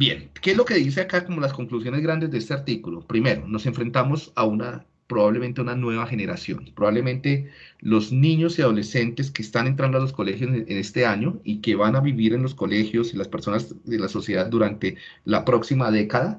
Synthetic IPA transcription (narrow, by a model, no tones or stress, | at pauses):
bjenkeezlo̞ke̞ðis̬e̞akako̞mo̞lasko̞ŋklusjo̞nezɣɾand̪e̞zd̪eest̪e̞aɾt̪ikulopɾime̞ɾono̞se̞ɱfɾe̞nt̪amo̞sauna | pɾoβaβlement̪eaunanwe̞βaxe̞ne̞ɾasjo̞̰npɾoβaβle̞mẽ̞nt̪e̞lo̞znĩɲo̞siaðo̞le̞se̞nt̪e̞s̬keːst̪anent̪ɾand̪oalosko̞le̞xjosene̞st̪e̞aɲo̞ikeβanaβiβiɾe̞nlo̞sko̞le̞xjo̞silaspeɾso̞nazd̪elaso̞sjeðad̪d̪uɾant̪e | lapɾo̞ksimaðe̞kaða